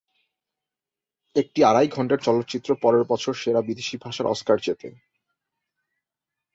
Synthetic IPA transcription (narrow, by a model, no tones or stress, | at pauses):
ek̚ʈiaɾajɡʱɔɳʈaɾt͡ɕɔlot̪ːt͡ɕit̪ːɾopɔɾeɾbɔt͡ɕʰoɾʃeɾabid̪eʃibʱaʃaɾʔɔ̰skaɾd͡ʑet̪ḛ